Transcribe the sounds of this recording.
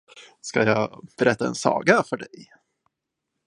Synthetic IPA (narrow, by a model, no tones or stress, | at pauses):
skajɑːb̥ɛɾɛt̪ːaɛ̰nsɑ̰ːɡafœɖɛj